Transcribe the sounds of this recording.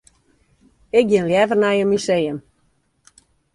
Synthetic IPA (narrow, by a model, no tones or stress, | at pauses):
ɪk̚ɡjɪnljɛvərnɛjəmysejəm